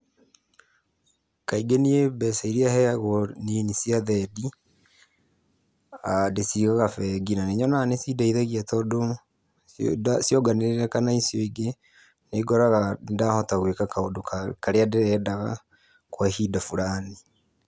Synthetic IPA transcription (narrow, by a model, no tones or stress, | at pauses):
kaiɡeniebɛsaiɾiahɛaɣɔninisiaðɛdi | adesiɣaɣafɛɡinaneɲɔnanesidaiðaɣiatɔdo | sjɔɡaneɾeɾɛkanaisjoiɡe | neɡɔɾaɣadahɔtaɣwekakaodokkaɾeadeɾɛdaɣa̰ | kwahidafuɾani